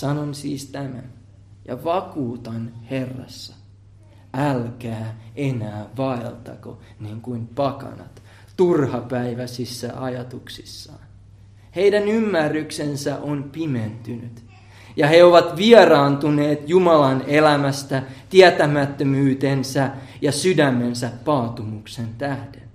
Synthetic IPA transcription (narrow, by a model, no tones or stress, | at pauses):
sɑnonsiːst̪æmæn | jɑ̰ʋɑkuːt̪ɑnhe̞rːɑ̰sːɑ | ælkæːe̞næːʋɑelt̪ɑ̰ko̰ | niːŋkuimpɑkɑ̰nɑ̰t̪ | t̪urhɑpæiʋæsisːæʔɑjɑt̪uksisːɑ̰ːn | he̞jdænymːærːyksensæʔonpiment̪ynyt̪ | jɑheoʋɑt̪ʋiɛrɑːnt̪uneːt̪jumɑlɑnelæmæst̪æt̪iæt̪æmæt̪ːømyːt̪ensæjɑsydæmːe̞nsæppɑːt̪umuksent̪æhden